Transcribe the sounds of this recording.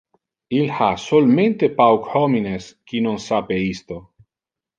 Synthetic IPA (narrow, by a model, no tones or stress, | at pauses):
ilhasolmẽnt̪epawkhomineskinõnsapeist̪o